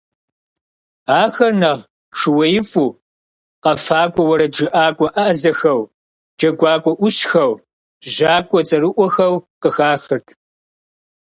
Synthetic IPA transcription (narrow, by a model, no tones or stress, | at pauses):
aːxɐrnɐʁ | ʂɨwɐjɪfʼuː | qɐfaːkʷʼɔwɐɾɐd͡ʒɨʔaːkʷʼɔʔazɐxɐw | d͡ʒɐɡʷɑːkʷʼɔʔʷʊɕxɐw | ʑaːkʷʼɔt͡sʼɐɾɨʔʷɔxɐwqəxaːxɨrtʰ